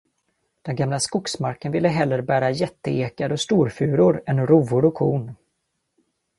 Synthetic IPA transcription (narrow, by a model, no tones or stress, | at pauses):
d̪̥ɛnɡamlaskʊksmaɾkənvɪlːəɦɛlːəɾbæːɾajɛt̪ːəeːkad̪ɔst̪uːɾfʉ̟ːɾʊɾɛnɾuːvʊɾʊkʰuːn